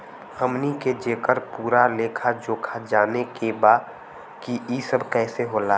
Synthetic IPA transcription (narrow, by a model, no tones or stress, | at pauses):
həmniked͡ʒeːkəɾpuːɾaleːkʰad͡ʒoːkʰad͡ʒaːnekebaː | kiisəbʱkɛːseɦoːlaː